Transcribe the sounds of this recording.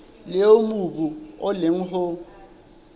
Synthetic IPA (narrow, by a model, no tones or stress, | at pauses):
leomubuʊlɪŋ̩ɦʊ